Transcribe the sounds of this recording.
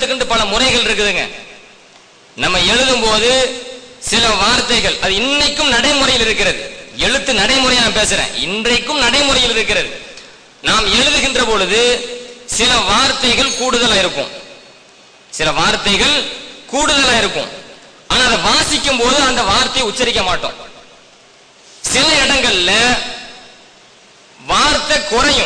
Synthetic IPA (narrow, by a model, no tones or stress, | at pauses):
ɯkːɐɳɖɯpɐlɐmʊrɐɪɣɐɭɪɾɯk̬ːɯðɯŋɡɐ̰ | nɐmːɐɛɻɯðɯmpoːðɯ | sɪlɐʋaːɾt̪ɐɪɣɐɭʔɐðɯɪnːɐɪkːɯmnɐɽɐɪmʊrɐjɪlɪɾɯkːɪɾɐðɯɛɻɯt̪ːɯnɐɽɐɪmɯɾɐjaːɐpeːsɯɾḛ̃ːɪ̰ndrɐɪkːɯmnɐɽɐɪmʊrɐjɪlɪɾɯkːɪɾɐðɯ | naːmɛɻɯðɯɣɪndrɐpɔɻɯðɯsɪlɐʋaːɾt̪ːɐɪɣɐɭkuːɽɯðɐlaːɪɾɯkːɯ̰̃ | sɪlɐʋaːɾt̪ːɐɪɣɐɭkuːɽɯðɐlaːɪɾɯkːʊ̰̃m | ʔaːnaːðɐʋaːsɪkːɯmpoːðɯɐnd̪ɐʋaːɾt̪ːɐjʊt͡ʃːɐɾɪk̬ːɐmaːʈːõ̰ː | sɪlɐɪɽɐŋɡɐɭɪlɐ | ʋaːɾt̪ɐkːɔɾɐjɯ̃